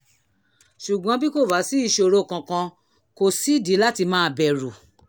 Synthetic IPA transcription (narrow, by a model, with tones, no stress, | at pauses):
ʃu˨ɡ͡bɔ̃˨˧˦bi˦ko˦˨ba˨˦si˦i˦˨ʃo˧o˧ɾo˦˨kã˧kã˧ | ko˧si˦di˨˦la˦ti˧mãː˦˧bɛ˨ɾu˨